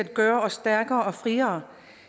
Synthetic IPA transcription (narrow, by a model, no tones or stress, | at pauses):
æd̥̚ɡ̥œːɐɒ̽sːd̥æɐɡ̥ɐːɒ̽fʁiːɐː